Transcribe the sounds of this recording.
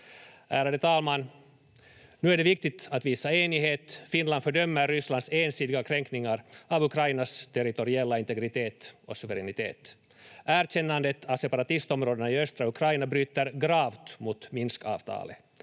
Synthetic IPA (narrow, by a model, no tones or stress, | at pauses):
ʔæːɾad̪ət̪ʰɑːlmanː | nʉːæɖɛvɪk̚t̪ɪt̪at̪viːsaeːnɪɦeːt̪fɪnland̪fœɖœmːəɾːʏsland̪seːnsiːd̪ɪɡakʰɾɛŋknɪŋaɾɑvɵkʰɾajnast̪ʰɛɾɪt̪ɔɾɪɛlːaɪnt̪ɛɡɾɪt̪ʰeːt̪ɔsɵvɛɾɛnɪt̪ʰḛːt̪ | æːɾɕɛnːand̪ət̪ʰavsɛpaɾat̪ɪst̪ɔmɾoːd̪ənaiœst̪ɾaɵkʰɾajnabɾyːt̪əɾɡɾɑːvt̪mut̪mɪnskɑ̰ːvt̪ʰɑ̰ːlə̰